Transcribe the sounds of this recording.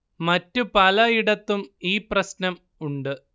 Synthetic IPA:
mɐtːupɐlɐiɽɐt̪ːumiːprɐsnɐm | uɳɖɨ

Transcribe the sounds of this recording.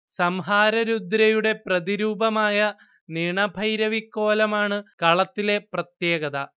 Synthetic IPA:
sɐmɦaːɾɐɾud̪ɾɐjuɽe̞prɐðiɾuːbɐmaːjɐ | niɳɐbʱɐjɾɐʋikːo̞ːlɐmaːɳɨkɐɭɐt̪ːile̞prɐt̪je̞ːɡɐðɐ

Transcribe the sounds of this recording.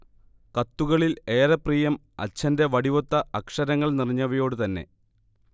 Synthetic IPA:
kɐt̪ːuɣɐɭile̞ːɾɐpriːjɐm | ɐ̰t͡ɕːɐnde̞ʋɐɽiʋo̞t̪ːɐɐkʂɐɾɐŋːɐɭniriɲːɐʋɐjo̞ːɽɨt̪ɐnːe̞̰

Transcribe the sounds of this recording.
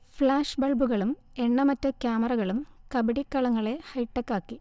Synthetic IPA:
fɭaːʂbɐɭbuɣɐɭum | e̞ɳːɐmɐtːɐkjaːmɐrɐɣɐɭumkɐbɐɽikːɐɭɐŋːɐɭe̞hɐjʈːɐkːaːkːi

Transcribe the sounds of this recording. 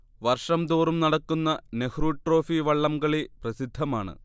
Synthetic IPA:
ʋɐrʂɐmd̪oːrumnɐɽɐkːunːɐnehɾuːʈro̞ːfiʋɐɭːɐmɡɐɭeprɐsid̪ʱːɐmaːɳɨ̰

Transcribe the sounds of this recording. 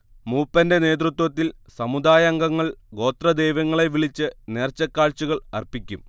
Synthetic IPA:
muːpːɐnde̞ne̞ːt̪̬rut̪wɐt̪ːilsɐmud̪aːjɐŋɡɐŋːɐɭɡo̞ːt̪rɐd̪ejʋɐŋːɐɭe̞ʋiɭit͡ɕːɨne̞ːrt͡ɕːɐkːaːɭt͡ɕuɣɐɭɐ̰rpikʲːum

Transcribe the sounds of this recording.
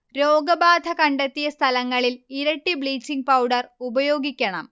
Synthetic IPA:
ɾoːɡɐbaːd̪ʱɐkɐɳɖɐt̪ːijɐst̪ʰɐlɐŋːɐɭiliɾɐʈːibɭiːt͡ɕːiŋɡ̚pɐwɖɐrubɐjo̞ːɡikʲːɐɳɐm

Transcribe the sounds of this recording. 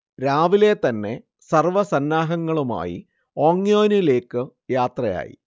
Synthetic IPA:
ɾaːʋile̞t̪ɐnːe̞ | sɐrʋɐsɐnːaːɦɐŋːɐɭuma̰ːjḭ | o̞ːŋːjo̞ːnile̞ːkːɨjaːt̪rɐja̰ːjḭ

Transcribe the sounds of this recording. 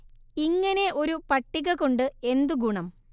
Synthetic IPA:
iŋːɐne̞ʔo̞ɾupɐʈːiɣɐɣoɳɖɨe̞nd̪uɡuɳɐm

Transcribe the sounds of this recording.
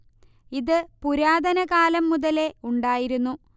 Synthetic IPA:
iðɨpuɾaːd̪ɐnɐkaːlɐmːuðɐle̞uɳɖaːjiɾunːu

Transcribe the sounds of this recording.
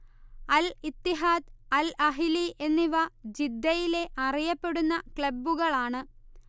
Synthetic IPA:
ɐlit̪ːiɦaːd̪ɐlɐɦilie̞nːiʋɐd͡ʑid̪ːɐjile̞ʔɐrijɐpːe̞ɽunːɐkɭɐbːuɣɐɭaːɳɨ

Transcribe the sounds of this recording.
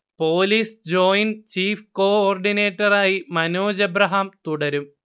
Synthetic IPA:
po̞ːliːsd͡ʑo̞ːjint͡ɕiːfko̞ːoːrɖine̞ːʈːɐraːjimɐnoːd͡ʑɐbɾɐɦamt̪uɽɐɾum

